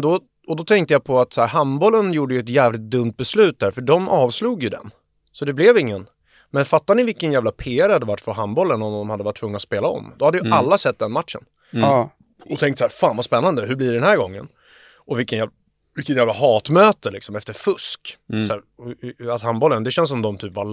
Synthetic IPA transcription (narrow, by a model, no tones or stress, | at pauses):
d̪ɔ | ɔd̪ɔt̪ʰɛŋk̚t̪əjapʰɔat̪sæːɾɦambɔlːənjuːɖəjɵɛt̪jæːvlɪt̪̚d̪ɵmt̪̚bɛslʉ̟ːt̪̚d̪æɾfœɖɔmɑːvsluːɡjɵd̪ɛ̰n | sɔd̪ɛblɛvɪŋːən | mɛnfat̪ːanɪvɪlkːənjæːvlapʰeːæɾhad̪ːəvaʈːfœɾɦambɔlːənɔmd̪ɔmhad̪ːəvaʈ̚ʰːvɵŋːnat̪speːlaɔ̰md̪ɔhad̪ːəjɵʔalːasɛt̪̚d̪ɛnmat̪ʂə̰n | ɔt̪ʰɛŋkt̪sæːɾfaːnvaspɛnːand̪əɦɵblɪɖɛɖɛnɦæːɾɡɔŋːə̰n | ɔvɪkːənjæ | vɪkːət̪jæːvlahɑːt̪møːt̪əlɪksɔmɛft̪əɾfɵsksæːɾ | at̪hambɔlːənd̪ɛɕɛns̬ɔmd̪ɔmt̪ʰyːpva